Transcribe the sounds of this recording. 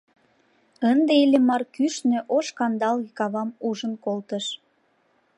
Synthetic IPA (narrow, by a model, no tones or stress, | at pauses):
ənd̪eelʲemɑrkyʃnø̆ʔoʃkɑnd̪ɑlɣekɑβɑmuʒənkolt̪əʃ